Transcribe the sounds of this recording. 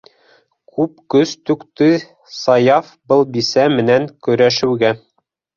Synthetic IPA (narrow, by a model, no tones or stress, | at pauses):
kʰʉpkɵst̪ʉ̆kt̪ɘ | sɑjɑfbɤlˠbisæmɘ̆næŋkɵ̆ɾæʃɘ̆wɡæ